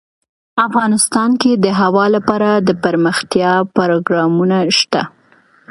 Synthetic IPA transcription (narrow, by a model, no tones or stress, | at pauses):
afɣɑnɪst̪ɑnked̪əɦawɑlapɑɾad̪əpəɾməxt̪jɑpaɾoɡɾɑmunaʃt̪a̰